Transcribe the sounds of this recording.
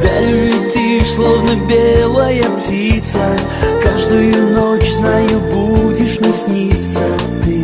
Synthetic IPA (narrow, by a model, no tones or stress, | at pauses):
vʲaɾʲʊvɪtʲislˠovnəbʲelˠəjəptʲit̪sə | kaʐd̪ʊjʊnot͡ɕznajʊbudʲɪʂnʲɪsʲnʲit̪sə | t̪ɨ